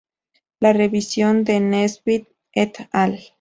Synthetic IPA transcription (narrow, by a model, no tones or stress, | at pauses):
lareβisjond̪enesbit̪̚ | et̪al